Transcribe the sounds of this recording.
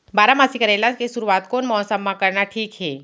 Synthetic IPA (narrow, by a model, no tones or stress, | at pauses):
baːɾamaːsikəɾeːlakesʊɾuwaːt̪koːnmɔːsəmːãkɐɾnaʈʰiːkɦɛː